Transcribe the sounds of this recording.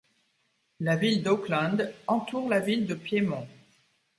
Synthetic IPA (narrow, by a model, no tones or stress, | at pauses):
lavild̪oklɑ̃d̪ɑ̃t̪uʁlavild̪əpjemɔ̃